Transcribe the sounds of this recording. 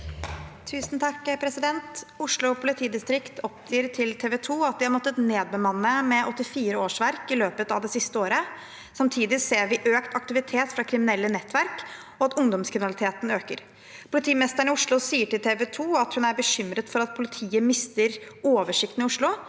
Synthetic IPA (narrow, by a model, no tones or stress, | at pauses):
t̪ʰʉːsnt̪ʰɑkːpʰɾɛsɪd̪ɛnt̪ʊʂlʊɔpʰʊlɪt̪ʰiːd̪ɪst̪ɾɪkt̪ʰɔpd̪iːɾʈʰɪlt̪ʰeːʋɛt̪ʰuːɑt̪̚d̪ɪhɑɾmɔt̪ːət̪neːd̪̚bəmɑnːəmɛʔɔt̪ːɪfiːɾəoːʂʋæɾkɪløːpət̪ɑ̰ʋd̪ɛsɪst̪əoːɾə | sɑmt̪ʰiːd̪ɪseːɾʋɪʔøːkt̪ɑk̚t̪ɪʋɪt̪ʰeːt̪fɾɑkʰɾɪmɪnɛlːənɛt̪ːʋæɾk | ɔɑt̪ʊŋd̪ɔmskʰɾɪmɪnɑlɪt̪ʰeːt̪n̩øːkəɾ | pʰʊlɪt̪ʰiːmɛst̪əɳɪʊʂɭʊsiːəʈɪlt̪ʰeːʋɛt̪ʰuːɑt̪hʉnæɾbəɕʏmɾət̪fɔɾɑt̪̚pʰʊlɪt̪ʰiːəmɪst̪əɾoːʋəʂɪkt̪n̩ɪʊʂɭʊ